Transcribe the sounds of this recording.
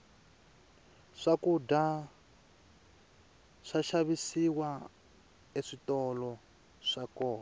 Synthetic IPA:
ʂakuda | ʂaʃaβisiwa | eʂitɔlɔ | ʂakɔːn

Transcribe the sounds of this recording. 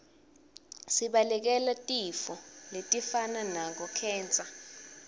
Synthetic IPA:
siɓalɛk̬ɛlatʼifɔletʼifananak̬ɔkʰɛːnt͡sʼa

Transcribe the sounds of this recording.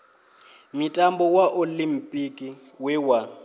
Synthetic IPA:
mitʼambɔwaʔolim̩pʼikʼi | wɛwa

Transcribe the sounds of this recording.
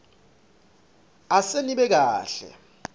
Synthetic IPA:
aseniɓɛk̬aːɬɛ̰

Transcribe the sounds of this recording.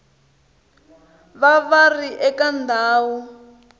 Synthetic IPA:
βaβariʔɛkandʱaːwu

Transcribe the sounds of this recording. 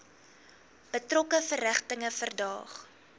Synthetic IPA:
b̥ətrɔkəfəræχtəŋəfərdɑ̰ːχ

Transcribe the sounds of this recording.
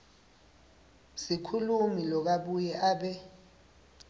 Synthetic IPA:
sikʰulumilɔk̬aɓujɛʔaːɓɛ

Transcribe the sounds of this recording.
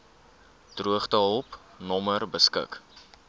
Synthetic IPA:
d̥ruəχtəɦɔlˠp | nɔmərbəskə̰k

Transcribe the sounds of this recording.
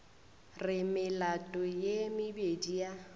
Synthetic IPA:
rɪmɪlatʼɔjemɪbedija

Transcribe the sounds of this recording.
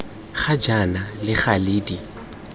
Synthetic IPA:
χad͡ʒanalɪχaliːdi

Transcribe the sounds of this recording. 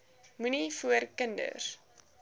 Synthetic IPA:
munifuərkəndə̰r

